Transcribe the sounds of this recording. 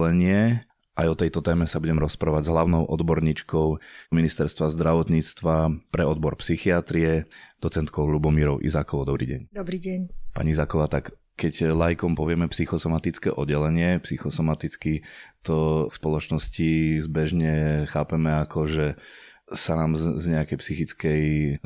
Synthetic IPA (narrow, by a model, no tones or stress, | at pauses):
lɛɲɪɛ | ʔajɔt̪ɛjt̪ɔt̪ɛːmɛsabuɟɛmɾɔspɾaːʋaɟzɦlaʊnɔʊʔɔd̪bɔɾɲiːt͡ʃkɔʊminist̪ɛɾst̪ʋazd̪ɾaʋɔt̪ɲiːt͡st̪ʋapɾɛɔd̪bɔɾpsixiat̪ɾiɛd̪ɔt͡sɛnt̪kɔʊlubɔmiːɾɔʊʔḭzaːkɔʋɔd̪ɔbɾḭːɟɛ̰ɲd̪ɔbɾiːɟɛɲpa̰ɲiizaːkɔʋaːt̪ak | kɛclajkɔmpɔʋɪɛmɛpsixɔsɔmat̪it͡skɛ̰ːʔɔdɟɛlɛɲɪɛpsixɔsɔmat̪it͡skit̪ɔspɔlɔt͡ʃnɔscizbɛʒɲɛxaːpɛmɛakʰɔʒɛ | sanaːmzɲɛakɛjpsixit͡skɛj